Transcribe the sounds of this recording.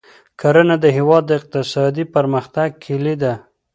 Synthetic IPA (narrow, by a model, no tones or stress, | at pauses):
kʰaɾənad̪əɦɪwɑd̪ːəɪq̚t̪ɪsɑd̪ipəɾməxt̪aɡ̚kʰɪlid̪a